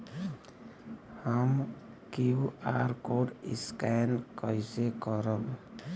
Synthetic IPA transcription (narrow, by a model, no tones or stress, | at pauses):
hamkiuaɾkoɖiskankɔjsekɔɾɔb